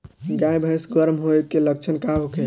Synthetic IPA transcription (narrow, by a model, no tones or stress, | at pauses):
ɡãjbʱə̃sɡəɾmɦoekːelək̚t͡ʃʰənkaɦoke